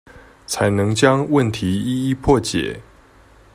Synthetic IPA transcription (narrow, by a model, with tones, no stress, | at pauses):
t͡sʰa˨˦ɪnɤ˨˦ŋt͡ɕja˦ŋwə˥˨nt̪ʰi˨˦i˥˦i˥˦pʰwɔ˥˨t͡ɕjɛ̰˨˩˦